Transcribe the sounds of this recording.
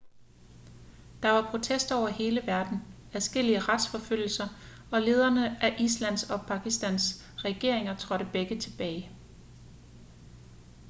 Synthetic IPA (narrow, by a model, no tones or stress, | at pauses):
d̥ɑ̈ʋɑ̈pʰʁo̝t͡sʰesd̥ɒʊ̰ɐhe̝ːləʋæɐd̥n̩ | æðˠsɡ̥el̰iəʁɑd̥sfɒ̽føl̰l̩sɐ | ɒ̽le̝ːð̞ˠɐnəʔæʔislæn̰sɒ̽pʰɑ̈ɡ̥isd̥æn̰s | ʁɛɡ̥e̝ɐ̰e̝ŋɐt͡sʰʁɒ̽ɾ̥əb̥eɡ̥ət͡sʰe̝b̥ɛːɪ